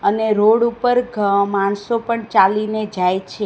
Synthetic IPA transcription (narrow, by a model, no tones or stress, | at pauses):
əneɾoɽupəɾɡmaɳsopəɳt͡ʃalined͡ʒajt͡ʃʰe